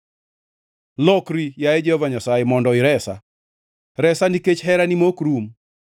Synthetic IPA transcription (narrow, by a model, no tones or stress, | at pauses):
lɔkɾijaɛd͡ʒɛhɔvaɲasajemɔndɔɪɾɛsa̰ | ɾɛsaniket͡ʃɦɛɾanimokɾum